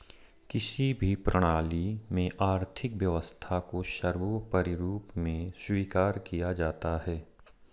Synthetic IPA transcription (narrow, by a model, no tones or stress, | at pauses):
kɪsibʱipɾəɽ̃aːlimẽʔaːɾt̪ʰɪkʋjɐʋəst̪ʰakoʃɐɾʋopɐɾɪɾuːpmẽswiːkaːɾkijad͡ʒaːt̪aɦɛː